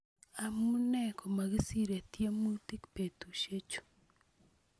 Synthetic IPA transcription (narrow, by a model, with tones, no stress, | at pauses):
a˨mu˦nɛ˦kɔ˨ma˨ɡɪ˦si˦ɾe˨t̪je˦mu˦ti˦kpe˨t̪u˨ʃe˦t͡ʃo̥˨